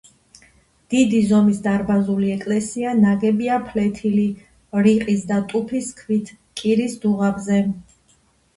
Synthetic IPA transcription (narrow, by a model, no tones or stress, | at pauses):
d̪̥id̪izɔmisd̪aɾbazuliɛkʼlɛsianaɡɛbiapʰlɛt̪ʰili | ɾiqʼisd̪at̪ʼupʰiskʰvit̪ʰ | kʼiɾisd̪uʁabzɛ